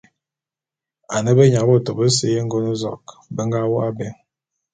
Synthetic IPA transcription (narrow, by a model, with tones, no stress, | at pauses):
a˨nə˦bə˦ɲa˨bo˦˨to˨bə˦s̬e˦je˦ŋ̩˦ɡo˦no˦zɔ̰˨k | bə˦ŋ˦ɡa˦wɔ˦a˦bɛ˨ŋ